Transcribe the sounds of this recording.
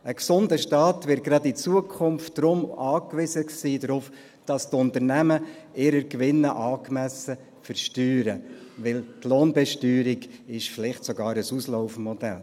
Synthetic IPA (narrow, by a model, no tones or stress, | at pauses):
ʔəksʊndəʃtɑːtvɪɾt̚ɡ̥ɾɑdit͡suəkʰχʊmftd̥ɾʊmɑːkʋɪsəksiːdɾʊf | d̥ɑstʊntəɾnæməɪɾəɾkʋɪnːəʔɑːkmæsə | fəɾʃtyːɾəʋɪltloːnbɛʃtyːɾiɡɪʃfɪlɪχtsɔɡɑːɾəsuslɔʊfmɔdɛl